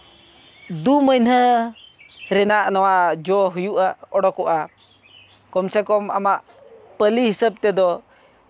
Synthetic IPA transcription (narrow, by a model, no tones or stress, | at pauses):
d̪uməjnhə | ɾɛnaʔnɔwad͡ʒɔɦujuʔaɔɽɔkɔʔa | kɔmsɛkɔma̰maʔ | pəlihisəp̚t̪ɛd̪ɔ